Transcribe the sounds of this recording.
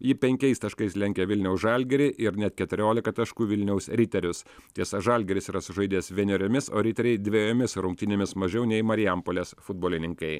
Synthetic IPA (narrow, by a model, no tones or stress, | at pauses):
jɪpʲɛŋʲkʲɛɪst̪ɐʃkɐɪslʲɛŋʲkʲɛʋʲɪlʲnʲɛʊsʒɑlʲɡʲɛɾʲɪʔɪɾnʲɛt̪kʲɛt̪ʊɾʲoːlʲɪkɐt̪ɐʃkuːʋʲɪlʲnʲɛʊsɾʲɪt̪ʲɛɾʲʊst̪ʲiɛsʒɐlʲɡʲɛɾʲɪsiːɾɐsʊʒɐɪd̪ʲiɛsʋʲɛnʲɛɾʲomʲɪso̰ːɾʲɪt̪ʲɛɾʲɛɪd̪ʲʋʲejoːmʲɪsɾʊŋk̚t̪ʲɪnʲeɛmʲɪsmɐʒʲɛʊnʲɛɪmɐɾʲɪjɛmpoːlʲeːsfʊd̪boːlʲɪnʲɪŋkɐɪ